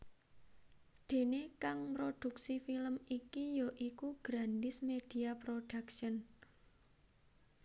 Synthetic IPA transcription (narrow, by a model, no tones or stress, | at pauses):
d̪̥e̤nekaŋpɾod̪̥ṳksifiləmikijoʔikuɡ̥ɾand̪ɪsmed̥i̤apɾoɖ̥akʃən